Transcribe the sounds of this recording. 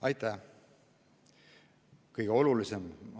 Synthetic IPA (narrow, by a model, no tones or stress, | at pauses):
ɑjt̪ːˑæ | kɤjɡ̥eo̞lulisem